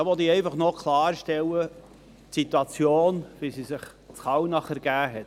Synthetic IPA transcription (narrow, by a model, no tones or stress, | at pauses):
ɑʋɔd̪iːɛɪfɑχnokʰlɑːɾʃtɛwə | tsit̪uɑt͡sjoːnvisiːsɪχ | t͡sχɑwnɑχəɾɡ̥æːɦɛt